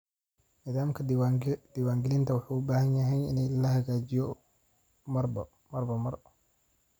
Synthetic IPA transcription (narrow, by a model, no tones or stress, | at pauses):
nɪːðaːmkʰɐd̪̥iwaːŋɡɪlɪnt̪ʰɐwɑħuːʊbaːhɐnjɐɦɛjɪ̰nɛjlɐhɐɣaːt͡ʃɪjɔ | mɐr | mɐrbɐmɐr